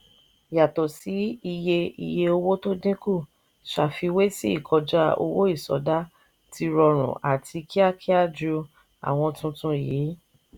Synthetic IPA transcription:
ja˨to˨si˨˦i˧je˧ḭ˧je˧o˧wo˦to˦dĩ˦ku˦˨ | ʃa˨fi˧we˦si˦i˦˨kʰɔ˧d͡ʒa˦o̰˧wo˦i˦˨sɔ̰˨˦da˦ | ti˧ɾɔ˧ɾ̃ṵ̃˨ʔa˨tʰi˧ki˦a˦kʰi˦a˦d͡ʒu˧ | a̰˨w̃ɔ̃˧tũ˧tũ˧˨je˨˦

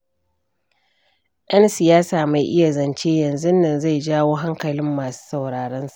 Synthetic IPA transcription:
jʔɐ˦nsɪ˨jaː˦saː˨ma˨jʔɪ˦ja˨zɐ˨nt͡ʃeː˦jɐ˨nzu˦nːɐ˨nza˦˨jd͡ʒaː˦woː˦ɦa˦ŋkɐ˨lɪ˦mːaː˨su̥ː˦sɐ˨wɽaː˨ɽɐ˦nsa˨ʔ

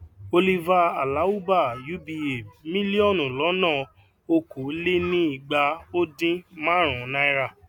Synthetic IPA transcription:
o˧li˧va˧a˨la˨˦u˦ba˦˨ju˦bi˧e˨mĩ˦li˦ɔ˦˨nũ˨lɔ˨˦nãː˦˨ | o˧kʰo˨˦le˦nĩ˦i˦˨ɡ͡ba˧o˦dĩ˦mã˦ɾ̃ã˨˦nã˦i˦ɾa˦˨

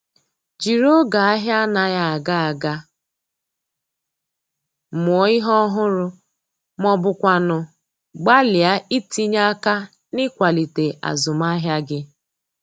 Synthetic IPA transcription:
d͡ʒi˨ɾo˦ɡa˨a˦ɦja˦na˨ja˨a˨ɡa˦a˨ɡa˦˨ | mʊ˨ɔ˨˦ɪ˦ɦɔ˦ɦʊ˦ɾʊ˦ | mɔ˦bʊ˦kʷa˦nʊ˨ | ɡ͡ba˦lja˦i˦ti˦ɲa˦ka˦ | nɪ˦kʷa˨li˨te˨ʔa̰˨zʊ˨m˦a˦ɦja˦ɡɪ˦

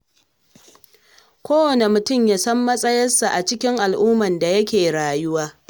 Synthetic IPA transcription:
kʷoː˦wɐ˨ne˨mʊ˨tʊ˦˨mjaː˦sɐ˦mːɐ˦sʼɐ˦jɐ˦nsa˨ʔa˨t͡ʃɪ˦kʲɪ˦ŋʔa˨lʔʊː˦mɐ˨nda˨jɐ˦kʲeː˨ɽaː˨jʊ˦waː˦

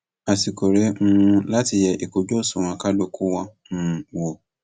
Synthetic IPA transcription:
a˨si˧ko˨ɾɛ˨˦ŋũ˧la˦ti˧jɛ˧ʔi˨ko˨d͡ʒo˦˨sũ˨w̃ã˧ka˦lo˦ku˦wɔ̃˧˦nũ˦˧wo˨

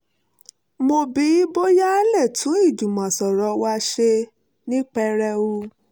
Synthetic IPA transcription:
mo˧bi˨˦i˦bo˦ja˦lɛ˦˨tʰũ˨˦i˦˨d͡ʒu˨mã˨sɔ˨ɾɔ˨˦wa˦ʃe˧ | nĩ˦k͡pɛ˧ɾɛ˧u˦

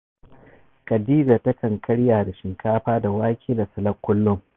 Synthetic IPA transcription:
kʼɐ˨diː˦d͡ʒaː˨tɐ˦kɐ˨ŋkʰɐ˦ɽjaː˨da˨ʃɪ˨ŋkaː˦ɸaː˦da˨waː˦kʲʰiː˦da˨sɐ˨lɐ˦kʷːʊ˦lːʊ˦ŋ

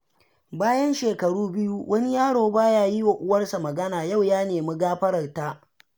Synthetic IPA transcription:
baː˦jɐ˦nʃeː˨kɐ˨ɽuː˦bɪ˦ju˦wʔɐ˦ni˦jaː˦ɽoː˨baː˦jaː˦ji˦wa˨ʔʊ˦wɐ˦rsa˨mɐ˨ɡɐ˦naː˨ja˦˨wjaː˦neː˨mi˦ɡaː˦ɸɐ˦ɽɐ˨rtaː˦

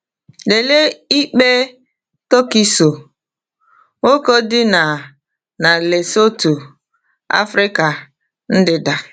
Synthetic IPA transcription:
le˨le˦i˦k͡pe˦ | to˦ki˦so˨ | ŋo˦ko˦dɪ˦na˨ | na˨le˨so˦tu˨ | a̰˦fɾɪ˦ka˨ | n̩˦dɪ˨da˨

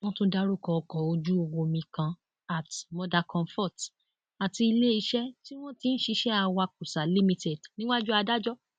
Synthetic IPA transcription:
w̃ɔ̃˦tũ˦da˧˦ɾu˦˨kɔ˨ɔ˧kɔ˨o˧d͡ʒu˦o˧wo˧mĩ˧kã˧ | a˨tmɔ˧da˧kɔ̃˧mfɔ˦˨t | a˨ti˧i˧le˦i˧˦ʃɛ˦ti˦w̃ɔ̃˦ti˨˦n̩˦ʃi˧ʃɛ˦a˧wa˧ku˨sa˨li˦mĩ˧te˨dnĩ˦wa˦d͡ʒu˦a˧da˦d͡ʒɔ˦

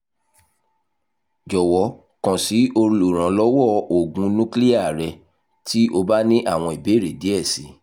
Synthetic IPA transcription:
d͡ʒɔ˨wɔ˨˦ | kã˨si˨˦o˧ɾũ˧lo˨ɾ̃ã˨˦lɔ˦wɔ˦˨o˨ɡũ˨˦nũ˦kli˦a˦˨ɾɛ˧ | ti˦ʔo˧ba˦nĩ˦ʔa˦˨w̃ɔ̃˧˨i˨be˨˦˨ɾe˨di˨˦ɛ˦˨si˨˦

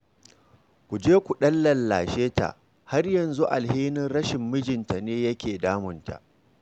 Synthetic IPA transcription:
kʷu˨d͡ʒeː˦kʷu˨ɗɐ˦lːɐ˨lːa̰ː˨ʃeː˦ta̰˨ʔ | ha˦rjɐ˨nzu˦ʔa˨lheː˦nɪ˦nɾɐ˦ʃɪ˨mːɪ˦d͡ʒɪ˨nta˨neː˦jɐ˦kʲeː˨daː˦mʊ˨nta̰˨ʔ

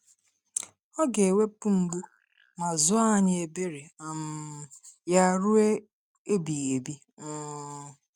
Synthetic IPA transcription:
ɔ˦ɡe˨e˨we˦pu˦ŋ͡m̩˨ɡ͡bu˦ | ma˨zʊ˦a˦ɲɪ˨e˨be˦ɾe˨a˨m̩˦ja˦ɾu˦e˦ | e˦bi˨e˨bi˦

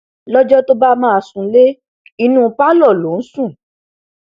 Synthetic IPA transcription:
lɔ˦d͡ʒɔ˦to˦ba˦mãː˦˧˨sũ˧˦le˦ | i˧nũː˦˧pa˦lɔ˦˨lo˨˦n̩˦sũ˦˨

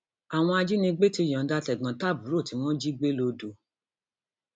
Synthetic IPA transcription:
a˨w̃ɔ̃˧a˧d͡ʒi˦nĩ˧ɡ͡be˦ti˧˨j̃ɔ̃˨˦da˧˦˧tɛ˨ɡ͡bã˨ta˦˨bu˨˦ɾo˦˨ti˨˧˦w̃ɔ̃˦d͡ʒi˦ɡ͡be˦lo˧do˧

